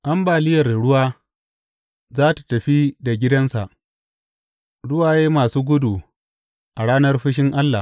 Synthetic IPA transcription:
ʔa˦mbaː˨lɪ˦jɐ˨rɽʊ˦waː˦ | zaː˦tḁ˨tɐ˨ɸi˦da˨ɡʲɪ˦dɐ˦nsa˨ʔ | ɽʊ˦waː˨jeː˦maː˨suː˦ɡʷʊ˦du˨ | ʔa˨ɽaː˦nɐ˦rɸɪ˦ʃ̬ɪ˦ŋʔa˦lːa˨

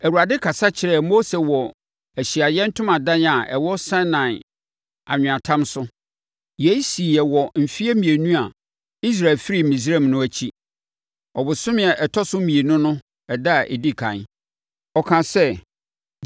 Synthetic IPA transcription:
æ˨wu˨ɾa˨dɪ˦kʰa˨sa˦t͡ɕʰɪ˨ɾɛ˦˨mo˦se˨wɔ˨ | æ˨ɕi˨a˨jɛ˦n̩˦tʰʊ̃˦mã˨dã˦n˦a˨ʔɛ̰˨wɔ˦sã˦nã˨n | a̰˨ɲᶣʊ̃˨ã˨tʰã˦msʊ˦ | je˦si˨ɛ˨wɔ˨m̩˨fi˦e˦mĩ˨e˨nũ˦a˨ | i˦s̬ɾa˨lfi˦ɾi˦˨mĩ˨s̬ɾɛ˦˨mnʊ̃˦æ˨t͡ɕʰi˦ | ɔ˨bʊ˨sʊ̃˦mɪ̃˨a˨ʔɛ˨tʰɔ˦sʊ˦mĩ˨e˨nʊ̃˦nʊ̃˦ | ɛ˨da˦˨ʔɛ̰˨di˦˨kʰã̰˨n | ɔ˨kʰã˨sɛ˦

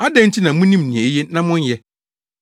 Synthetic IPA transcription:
a˦dɛ̃˨˦n̩˦tʰi˦nã˨mʊ̃˦nĩ˦mnĩ˨ɛ˨˦jɛ˦nã˦mʊ̃˦n˦jɛ˦

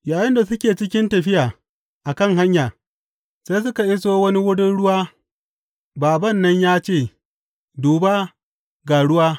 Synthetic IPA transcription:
jaː˨jɐ˦nda˨sʊ˦kʲeː˨t͡ʃɪ˦kʲɪ˦ntɐ˨ɸɪ˦jaː˨ | ʔa˨kɐ˦˨ŋɦa˦ɲjaː˨ | seː˦s̬ʊ˦ka˨ʔɪ˦soː˦wɐ˦ni˦wʊ˦dʊ˦nɽʊ˦waː˦ | baː˨bɐ˦˨nːɐ˦ɲjaː˦t͡ʃeː˦˨ | duː˨baː˦ | ɡaː˨ɽʊ˦waː˦

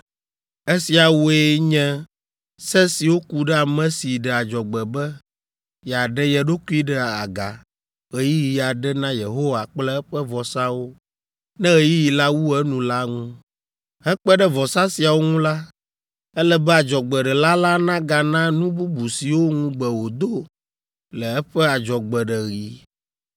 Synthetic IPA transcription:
ɛ˦si˨a˨wo˦e˦ɲɛ̃˦ | sɛ˦si˨wo˦ku˨ɖɛ˦a˨mɛ̃˦si˨ɖɛ˨a˨d͡ʒɔ˨ɡ͡bɛ˨bɛ˦ | jɛ˨a˨ɖɛ˦jɛ˨ɖo˦tu˦i˦ɖɛ˨a̰˨ɡa̰˨ | ɣe˨ji˦ji˨a˨ɖɛ˦nã˦je˨ɦo˦wa˨k͡plɛ˦ɛ˦ɸɛ˦vɔ˨sa˦wo˦ | nɛ̃˦ɣe˦ji˦ji˨la˦wu˦ɛ˦nũ˨la˦ŋũ˦ | ɦɛ˦k͡pɛ˦ɖɛ˦vɔ˨sa˦si˨a˨wo˦ŋũ˦la˦ | ɛ˦lɛ˦bɛ˦a˨d͡ʒɔ˨ɡ͡bɛ˨ɖɛ˨la˦la˦nã˦ɡa˨nã˦nũ˦bu˦bu˨si˨wo˦ŋũ˦ɡ͡bɛ˨wo˨d̪o˦ | lɛ˨ɛ˦ɸɛ˦a˨d͡ʒɔ˨ɡ͡bɛ˨ɖɛ˨ɣi˨˦

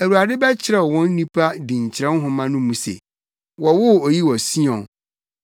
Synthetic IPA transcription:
æ˨wu˨a˨dɪ˦bɛ˦t͡ɕʰɪ˨ɾɛ˨wɔ̃˦n̩˦nĩ˦pʰa˦dĩ˨ɲ˨t͡ɕʰɪ˨ɾɛ̃˦n˦ɦʊ̃˨mã˦nʊ̃˦mũ˨sḛ˨ | wɔ˨wʊ˦o˨ji˦wɔ˨si˦ɔ̃˨n

